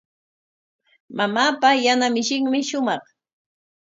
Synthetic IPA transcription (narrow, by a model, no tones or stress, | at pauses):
mamaːpajanamɪʃɪŋmɪʃʊmɑχ